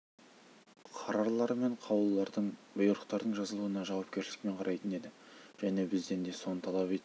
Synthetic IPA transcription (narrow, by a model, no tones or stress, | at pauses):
qʰɑɾɑɾlˠɑɾme̞ɴqʰɑwəlˠːɑɾd̪əɴbʊjəɾəq̚t̪ɑɾd̪əɴʒɑzəlˠuwənɑʒɑwɑp̚kʲe̞ɾʃlɪ̥k̚me̞ɴqʰɑɾʔɑjt̪əne̞d̪ɪ | ʒ̥æne̞bɪzd̪e̞nd̪e̞so̞nət̪ʰɑlˠɑpe̞t̪ɪ